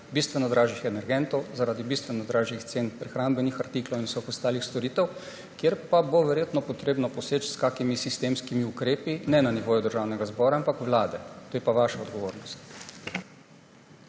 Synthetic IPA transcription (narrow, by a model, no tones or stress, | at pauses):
bist̪ʋɛnɔd̪ɾaːʒixɛnɛɾɡɛnt̪ɔwzaɾaːd̪ibist̪ʋɛnɔd̪ɾaːʒixt̪senpɾɛxɾambɛnixaɾt̪iːklɔwinwsɔxɔst̪aːlixst̪ɔɾiːt̪ɛw | kjeɾpaboʋɛɾjeːt̪nɔpɔt̪ɾeːbnɔpɔseːt͡ʃskaːkimisist̪eːmskimiukɾeːpinɛnaniʋoːjud̪əɾʒaːwnɛɡazbɔːɾaampakʋlaːd̪ɛt̪oːjɛpaʋaːʃaɔd̪ɡɔʋoːɾnɔst̪